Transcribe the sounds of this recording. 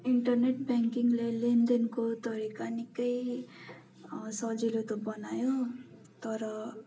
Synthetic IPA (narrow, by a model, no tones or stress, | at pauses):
iɳʈʌrneʈbaŋkiŋɡlelend̪enkot̪ʌɾikanikʌj | sʌd͡zilot̪obʌnajo | t̪ʌɾʌ